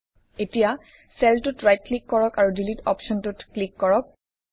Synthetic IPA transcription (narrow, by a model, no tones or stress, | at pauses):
etija | sɛltutɹajt̚klikːɔɹɔkaɹudilitɔ̰pʃɔntutklikːɔɹɔk̚